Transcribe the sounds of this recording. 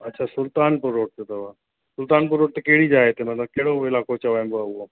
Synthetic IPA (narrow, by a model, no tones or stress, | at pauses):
ɐtːʃʰasʊlt̪aːnpʊɾoːʈ̚t̪et̪ɐʋa | sʊlt̪aːnp̬ʊɾoːʈ̚t̪ekeɦɽid͡ʑaːɦet̪emɐt̪ləb̚keɦɽoɪlaːkot͡ɕɐʋãːbaʊɦo